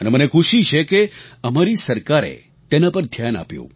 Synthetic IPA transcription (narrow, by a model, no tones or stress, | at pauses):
ənemənekʰuʃit͡ʃʰekeəmaɾisəɾkaɾḛ | t̪enapəɾd̪ʱjana̰pjṵ̃